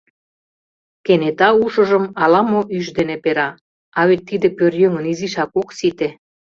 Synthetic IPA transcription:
kenet̪ɑuʃə̆ʒə̆mɑlɑmoʔyʃd̪enepeɾɑ | ɑβet̪ːid̪epørjøŋə̆niziʃɑkoksit̪e

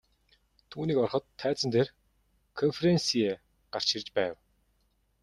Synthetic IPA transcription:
t̪ʰuːniːkɔrχɞ̆t̪ʰːæːt͡sə̆nt̪eːr | kʰɔnfeɾensie | ɢ̥ar̥t͡ɕirt͡ɕpæːw

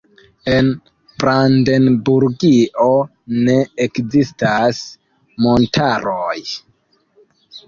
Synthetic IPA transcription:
e̞n | b̥ɾandenbuɾɡiʔo | ne̞ekzistas | mo̞ntʰaɾoj

